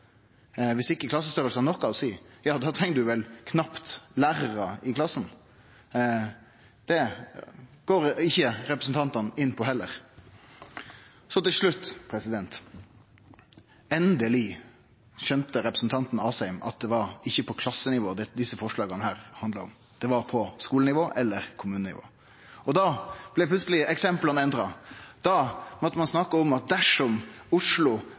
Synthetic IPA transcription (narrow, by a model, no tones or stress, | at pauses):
ʋɪsɪkːəklɑsːəst̪œɾəlsənɔkːɑʋɔsiːjɑːd̪ɑːt̪ʰɛŋkəd̪ʉʋɛlkʰnɑpt̪læːɾəɾɑɪkʰlɑsːn̩ | d̪̥ɛ | ɡ̥oːɾɪçːəɾɛpɾəsn̩t̪ɑnt̪ɑnɪnːpʰɔɦɛlːəɾ | sɔt̪ɪlʂlʉt̪ːpʰɾɛsɪd̪ɛnt̪ | ɛnd̪əlɪ | çœnt̪əɾɛpɾəsn̩t̪ʰɑnt̪n̩ɑːsɛɪmɑ̰t̪̚d̪ɛʋɑɾɪçːəpʰɔkʰlɑsːənɪʋoːd̪ɛd̪ɪsːəfɔʂɭɑːɡənəhæːɾhɑnd̪ləɔ̰m | d̪̥ɛʋɑɾpʰɔskuːlənɪʋoːʔɛlːəɾkʰʊmʉːnənɪ̰ʋo̰ː | ɔd̪ɑb̥lɪpʰlʉt̪səlɪɛksɛmplənɛnd̪ɾɑd̪̥ɑmɔt̪ːəmɑnsnɑkəɔmɑt̪̚d̪æʂɔmʊʂlʊ